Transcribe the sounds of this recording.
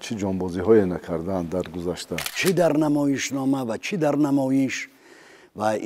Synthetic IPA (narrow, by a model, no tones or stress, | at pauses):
t͡ʃʰid͡ʒɔmbɔziɦɔenakʰaɾd̪and̪aɾɡuzaʃt̪ʰat͡ʃʰid̪aɾnamɔjiʃnɔmavat͡ʃʰid̪aɾnamɔjiʃ | va